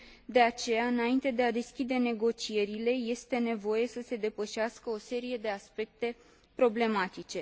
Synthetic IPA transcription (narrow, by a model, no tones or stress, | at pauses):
d̪e̞at͡ʃe̞jaɨnaint̪e̞d̪e̞ad̪e̞skʲid̪e̞ne̞ɡo̞t͡ʃije̞ɾile̞je̞st̪e̞ne̞vo̞je̞səse̞d̪e̞pəʃaskəo̞se̞ɾije̞d̪e̞aspe̞k̚t̪e̞ | pɾo̞ble̞mat̪it͡ʃe̞